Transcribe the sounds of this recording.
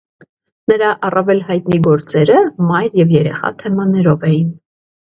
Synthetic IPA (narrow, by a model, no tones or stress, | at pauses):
nəɾɑʔɑrɑvɛlhɑjt̪niɡɔɾt͡sɛɾəmɑjɾjɛvjɛɾɛ̰χɑ̰t̪ʰɛmɑnɛɾɔvɛjin